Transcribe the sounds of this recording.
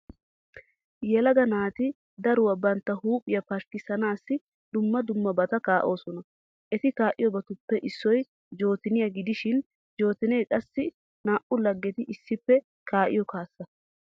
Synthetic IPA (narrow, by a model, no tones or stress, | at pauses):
jɛlɐɡɐnaːt̪ɪ | d̪ɐɾʊwɐbɐnt̪ːɐhuːpʼɪjɐpɐʃkɪsɐnaːsːɪ | d̪ʊmːɐd̪ʊmːɐbɐt̪ɐkaːʔo̞ːsɔnɐ | ʔɛt̪ɪkaːʔɪjɔbɐt̪ʊpːɛʔɪsːɔj | d͡ʒo̞ːt̪ɪnɪjɐɡɪd̪ɪʃɪn | d͡ʒo̞ːt̪ɪnɛjkʼɐsːɪ | naːʔʊlɐɡːɛt̪ɪʔɪsːɪpːɛ | kaːʔɪ̰jɔkaːsːɐ